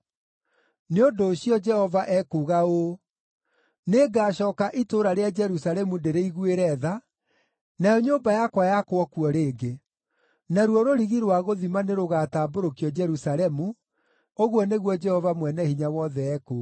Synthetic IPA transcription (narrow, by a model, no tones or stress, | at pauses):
neondoːɕiɔd͡ʒɛhɔvaʔɛkuɣao | neɡaːɕɔːkaʔitoɾaɾead͡ʒɛɾusaɾɛmundeɾeiɣweɾɛða | najɔɲoːmbajakwajakwɔkuɔɾeːɡe | naɾwɔɾoɾiɣiɾwaɣoðimaneɾoɣataːboɾokiɔd͡ʒɛɾusaɾɛmu | oɣwɔneɣwɔd͡ʒɛhɔvamwɛnɛhiɲawɔðɛɛku